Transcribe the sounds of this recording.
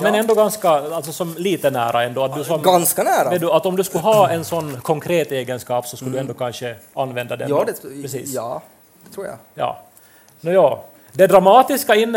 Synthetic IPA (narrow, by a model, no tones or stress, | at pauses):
mɛnɛnd̪oɡanskaalsɔsɔmliːt̪ənæ̰ːɾʔa̰ɛnd̪oːɑt̪d̪ʉsɔmɡanskanæːɾʋɛd̪ʉat̪ɔmd̪ʉskʉɦɑːɛnsɔnːkʰɔŋkʰɾeːt̪eːɡənskɑːpsɔskɯld̪ʉɛnd̪oːkʰanʂəanːʋɛnd̪ɑd̪ɛ̰dpɾɛsḭːsː | ɛt̪ʰɾuːja̰jɑ̰ː | njɑː | d̪ɛd̪ɾamɑːt̪ɪskaɪnː